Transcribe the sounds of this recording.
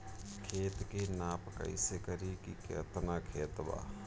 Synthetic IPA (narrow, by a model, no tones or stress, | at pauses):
kʰeːt̪kenaːpka̰ɪ̰sekəɾikikḛːt̪nakʰeːt̪ba̰ː